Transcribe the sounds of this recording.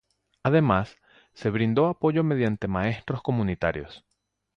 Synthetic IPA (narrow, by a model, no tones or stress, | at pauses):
að̞e̞masː | e̞β̞ɾind̪o̞apo̞ʝo̞me̞ðjant̪e̞mae̞st̪ɾo̞sko̞mũnit̪aɾjo̞̰s